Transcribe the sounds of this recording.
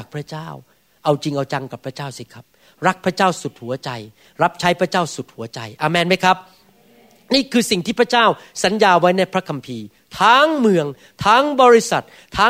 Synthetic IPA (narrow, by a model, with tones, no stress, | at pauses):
k̚pʰɾa˦˥t͡ɕaː˥˩w | ʔa˧wt͡ɕi˧ŋʔa˧wt͡ɕa˧ŋka˨˩pʰːɾa˦˥t͡ɕaː˥˩wsi˦˩kʰa˦˥p̚ | ɾa˦˥k̚pʰɾa˦˥t͡ɕaː˥˩wsu˨˩t̪̚hu˩˦t͡ɕa˧j | ɾa˦˥p̚t͡ɕʰa˦˥jpʰɾa˥t͡ɕaː˥˩wsu˨˩t̪̚hu˩˦ɐt͡ɕa̰˧jʔaː˧˩mɛː˧˩nma˥jkʰa˦˥p̚ | niː˥˩kʰɯː˧si˨˩ŋt̪ʰiː˥˩pʰɾa˥t͡ɕaː˥˩wsa˩˦njaː˧wa˦˥jna˧˩jpʰɾa˦˥kʰa˧mpʰiː˧ | t̪ʰaː˦˥ŋmɯ˧əŋ | t̪ʰaː˦˥ŋbɔː˧ɾi˦˥sa̰˨˩t̪̚ʰːaː˦˥